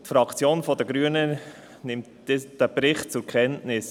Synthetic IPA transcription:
tfɾɑkt͡sjoːnfɔdəɡɾyənə | nɪmt | ɪd̥əbɾɪχt̚t͡sʊɾkʰɛntnɪs

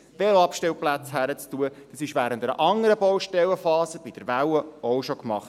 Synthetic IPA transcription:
ʋelɑpʃtɛwplæt͡shæɾət͡stuəd̥ɑsɪʃʋæːɾəntəɾə̰ʔɑŋəɾəbɔwʃtɛwəfɑːsəb̥id̥əɾʋæwəɔwʃokmɑχt

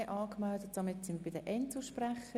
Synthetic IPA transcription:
ɪʔɑːkmældət̚d̥ɑmɪtt͡sɪmb̥ɪdəʔɛntuʃpraχə

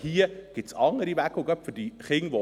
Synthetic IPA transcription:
hiːəɡ̥ɪtsɑŋəɾivækʊɡœpfʏdiχɪŋʋo

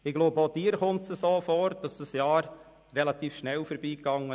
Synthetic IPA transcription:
ɪɡ̥loːboːd̥iːəɾχʊntsəsoːfɔːɾd̥ɑsd̥ɑsjɑːɾ | ɾɛlɑt̪iːfʃnɛlfɔɾbiːkɑŋə

